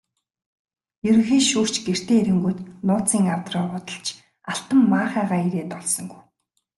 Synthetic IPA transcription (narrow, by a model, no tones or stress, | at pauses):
jɵɾɵ̆xeːʃuːr̥t͡ɕɡer̥t̪eːɾɘ̆ŋɡujt̪nʊːt͡siːŋawt̪rɔːʁʊːt̪ə̆ɬt͡ɕ | aɬt̪ə̆mːaːχæːʁaːiɾeːt̪ɔɮsɞ̆ŋɡuj